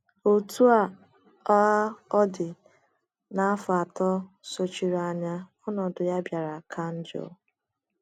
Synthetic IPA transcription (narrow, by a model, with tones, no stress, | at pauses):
o˨tu˦a˨ | ɔ˦a˦ɔ˦dɪ˨ | na˨˦fʊ˨a˨tɔ˦so˨t͡ʃi˨ɾa˨ɲa˦ɔ˦nɔ˨dʊ˨ja˦bja˨ɾa˨kʰa˦n̩˦d͡ʒɔ̰˨˦˨